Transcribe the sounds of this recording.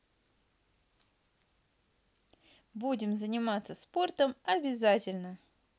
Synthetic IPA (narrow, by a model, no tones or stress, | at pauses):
budʲɪmzənʲɪmat̪səspo̞rt̪əmɐbʲɪzatʲɪlʲnə